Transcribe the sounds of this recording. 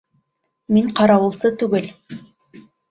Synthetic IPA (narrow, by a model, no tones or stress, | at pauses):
miɴqʰɑɾɑwɤ̆lˠsɤt̪ʉɡɵl